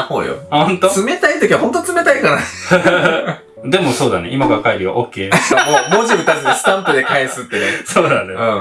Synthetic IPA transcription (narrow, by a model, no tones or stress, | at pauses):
ho̰ːjo̰hõnt̪osɨme̞t̪ait̪okʲiahɦõ̞nt̪ot͡sɨme̞t̪aikaɾa | d̪e̞moso̞ːd̪aneʔimakaakaiɾʲiβa̰ʔokʲːe̞ːomoːmoʑibɯ̟t̪aɾɯnasɨ̥t̪ãmpɯ̟d̪ekaisɨt̪ːesoːd̪aneɯ̃ː